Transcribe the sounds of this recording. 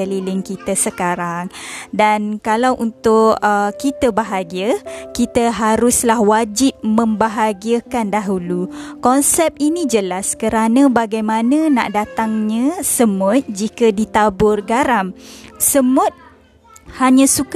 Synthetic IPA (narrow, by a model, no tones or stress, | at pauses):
əlilɪŋkit̪əsəkaɾaŋdankalawʔunt̪ʊʔəkit̪əbaɦaɡiəkit̪əɦaɾʊslahwad͡ʒɪp̚mə̃mbaɦaɡiəkandaɦulukɔnsɛp̚inĩd͡ʒəlaskəɾanə̃baɡajmãnə̃na̰ʔdat̪aŋɲə̃səmʊt̪̚d͡ʒikədit̪abʊrɡaɾamsəmʊt̪̚ | haɲãsuk